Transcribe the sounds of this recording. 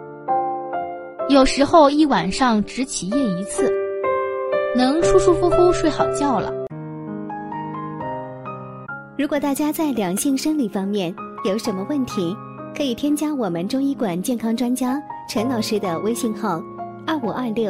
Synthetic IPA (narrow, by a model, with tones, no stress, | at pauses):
jo˨˩ʊʂɻ̩˧˥xo˥˧ʊi˥˩wa˨˩nʂɑ˥˧ŋʈ͡ʂɻ̩˧˥t͡ɕʰi˨˩jɛ˥˩i˧˥t͡sʰɹ̩˥˩ | nɤ˧˥ŋʂu˥ʂu˥fu˥fu˥ʂwe˥˩ɪxɑ˨˩ʊt͡ɕjɑ˥˩ʊlə̰˩ | ɻu˧˥kwɔ˨˩t̪a˥˩t͡ɕja˥t͡sa˥˩ɪljɑ˨˩ŋɕi˥˩ŋʂə˥ŋli˨˩fɑ˥ŋmjɛ˥˩njo˨˧˥ʊʂə˧˥nmə˧wə˥˩nt̪ʰi˧˥ | kʰɤ˧˥i˨˩t̪ʰjɛ˥nt͡ɕja˥wɔ˨˩mə˦nʈ͡ʂʊ˥ŋi˥kwa˨˩nt͡ɕjɛ˥˩nkʰɑ˥ŋʈ͡ʂwa˥nt͡ɕja˥ʈ͡ʂʰɤ˧˥ŋnɑ˨˩ʊʂɻ̩˥d̪ə˨wʔe˥ɪɕi˥˧ŋxɑ˥˩ʊ | ɐ˞˥˩u˨˩ʔɐ˞˥˧ljo˥˩ʊ